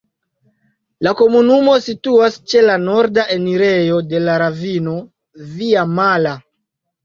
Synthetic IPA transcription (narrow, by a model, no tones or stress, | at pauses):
lako̞munumo̞situast͡ʃe̞lano̞ɾdaʔe̞niɾe̞jo̞de̞laɾavino̞ | viamala